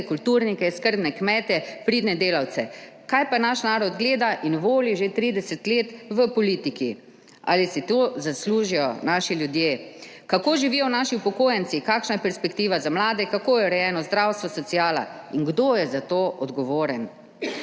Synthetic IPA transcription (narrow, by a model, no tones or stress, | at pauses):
kult̪uːɾnikɛskəɾb̪nɛkmɛːt̪ɛpɾiːd̪nɛd̪eːlawt͡ssɛ | kajpanaʃnaːɾɔd̪ɡleːd̪aʔinʋoːliʒet̪ɾiːd̪ɛsɛt̪leːt̪ʋəpɔliːt̪iki | ʔa̰ːlisit̪ozasluːʒijɔnaːʃiljud̪jeː | kakoːʒiʋijɔwnaːʃiupɔkoːjɛnsikaːkʃnajɛpɛɾspɛkt̪iːʋazamlaːd̪ɛkakoːjɛɾɛjɛːnɔzd̪ɾawst̪ʋɔsɔsiaːla̰ | inɡd̪oːjɛzat̪oːʔɔd̪ɡɔʋoːɾɛn